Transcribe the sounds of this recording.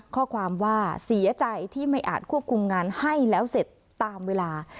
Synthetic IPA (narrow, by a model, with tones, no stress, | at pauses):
kʰɔː˥˩kʰwaː˧mwaː˥˩si˩˦ɐt͡ɕa˧jt̪ʰiː˥˩ma˥˩jʔa̰ː˨˩t̪̚kʰu˥˩əp̚kʰu˧mŋaː˧nha˥˩jlɛː˦˥wse˨˩t̪ːaː˧mweː˧laː˧